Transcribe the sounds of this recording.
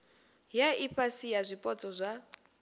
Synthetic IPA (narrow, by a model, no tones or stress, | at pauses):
jaipʰasijazʷipʼɔt͡sʼɔzʷa